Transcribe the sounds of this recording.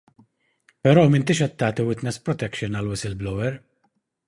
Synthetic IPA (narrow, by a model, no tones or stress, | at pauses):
pɛɾɔːmɪnt̪ɪːʃɛt̪ːɐːt̪iwɪt̪nɛspɾɔt̪ɛkʃɪnɐlwɪsɪlblɔwɛɾ